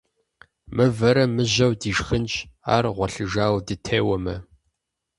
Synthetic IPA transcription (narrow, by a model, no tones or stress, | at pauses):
mɨvɐɾɐmɨʑɐwdiːʒxɨnt͡ʃa̰ːrʁʷɔɬɨʒaːwdɨtʰeːwɐmɐ̰